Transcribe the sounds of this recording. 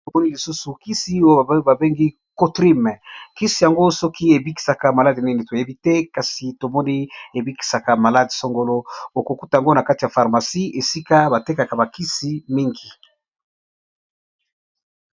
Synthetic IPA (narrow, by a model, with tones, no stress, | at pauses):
to˨mɔ˦ni˦li˨su˦su˨ki˦si˦o˦˨ba˨be˦ŋɡi˦ | ko˦tʁi˦m˨ki˦si˨ja˨ŋɡo˦sɔ˦ki˦e˨bi˦ki̥˨sa˨ka˨ma˨la˦di˨ni˦ne˨to˨je˦bi˦tɛ˦ka˨si˨to˨mɔ˦ni˦e˨bi˦ki̥˨sa˨ka˨ma˨la˦di˨so˦ŋɡo˦lo˦o˨ko˨ku˦ta˨ja˨ŋɡo˦na˨ka˦ti˨ja˨fa˨ʁma˨si˦e˨si˦ka˦ba˨te˦ka˨ka˨ba˨ki˦si˦mi˦ŋɡi˨